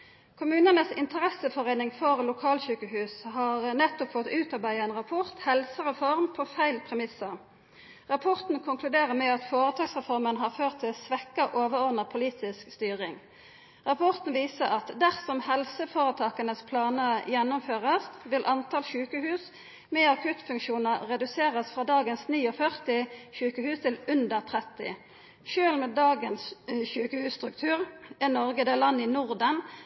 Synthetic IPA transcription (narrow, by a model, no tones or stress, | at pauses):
kʰʊmʉːnənəsɪnt̪əʁɛsəfɔʁeɪnɪŋfɔʁlʊkʰɑːlçʉːkəhʉːshɑːʁnɛt̪ːɔpfɔt̪ʉːt̪ɑʁbæɪɛɪnʁɑpʰɔʁt̪hɛlsəʁɛfɔʁmpʰoːfæɪlpʰʁɛmɪsɑ | ʁɑpʰɔʁt̪n̩kʰʊŋkʰlʉd̪eːʁəmɛɑt̪foːʁət̪ʰɑːɡsʁɛfɔʁmənɦɑːʁføːʁt̪ʰːɪlsʋɛkːəʔoːʋəʁɔʁd̪nəʁpʰʊliːt̪ɪskst̪yːʁɪŋ | ʁɑpʰɔʁt̪nʋiːsəɑt̪d̪æʁsɔmhɛlsəfoːʁət̪ʰɑːkənəspʰlɑːnəjɛnːʊmføːʁəsʋɪlʔɑnt̪ʰɑːlʃʉːkəhʉːs | mɛːɑkʰʉt̪fʉŋkʃuːnəʁɛd̪ʉseːʁəsfʁɑːd̪ɑːɡənsniːɔfœʁt̪ɪʃʉːkəhʉːst̪ʰɪlʉnd̪əʁt̪ʰʁɛt̪ɪ̰ | ʃøːlmɛːd̪ɑːɡənsɕʉːkəhʉːsst̪ʁʉk̚t̪ʰʉːʁɛnɔʁɡəd̪ɛlɑnːɪnʊʁd̪ən